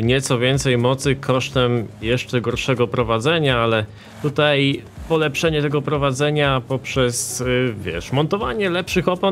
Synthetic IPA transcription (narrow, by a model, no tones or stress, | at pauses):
ɲɛt̪sɔvʲjɛnt̪sɛjmɔt̪sɘkʰɔʂt̪ɛmjɛʂt͡ʂɛɡɔɾʂɛɡɔpɾɔvad̪zɛɲaalɛ | t̪ut̪ajpɔlɛpʂɛɲɛt̪ɛɡɔpɾɔvad̪zɛɲapɔpʂɛsvʲjɛ̰ʂmɔnt̪ɔvaɲɛlɛpʂɘxɔpɔ